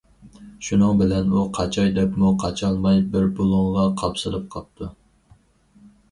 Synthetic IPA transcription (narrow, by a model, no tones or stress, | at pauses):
ʃunɨŋbɪlɛnuqʰɑt͡ʃʰɑjd̪ɛpmuqʰɑt͡ʃʰɑlˠmɑjbɪɾbolˠʊŋʁɑqʰɑpsɨɾɨp̚qʰɑp̚t̪ʰːu